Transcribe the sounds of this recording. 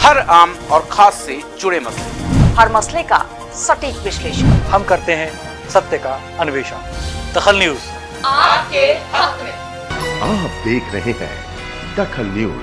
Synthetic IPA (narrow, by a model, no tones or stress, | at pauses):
hɐɾaːmɔːɾxʰaːsːed͡ʒʊɽemɐslehɐɾmɐsleka̰ | sɐʈiːkʋɪʃleːʃəhɐmkɐɾt̪eɦɛ̃ | sɐt̪jəka | ɐnʊʋeːʃa̰ːnd̪̥ɐxəlnjuːz | aːpkeae | aːp̚d̪eːkʰɾɐɦeɦɛ̰̃ː | d̪ɐkʰəlnjṵːz